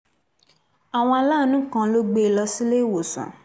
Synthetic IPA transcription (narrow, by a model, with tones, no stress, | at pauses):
a˨w̃ɔ̃˧a˧la˦˨˦nũ˦kã˦˧lo˦ɡ͡be˧˨lɔ˧si˦le˦˨wo˨sã̰˨